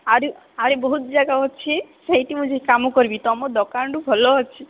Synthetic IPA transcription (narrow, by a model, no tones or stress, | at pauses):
aɾe | aɾebɔɦut̪̚d͡ʒaɡaɦɔt͡ʃʰiʃeɦit̪imũd͡ʒʱeɦikamukɔɾbit̪ɔɔmod̪ɔkaɳɖubʱɔlɔɦɔt͡ʃʰi